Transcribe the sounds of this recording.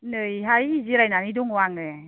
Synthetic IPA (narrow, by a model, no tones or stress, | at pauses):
nɯjɦajiziɾajnaniduŋwaŋe